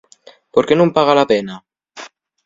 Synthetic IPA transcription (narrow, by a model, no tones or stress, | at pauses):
poɾkenũmpaɣ̞alapena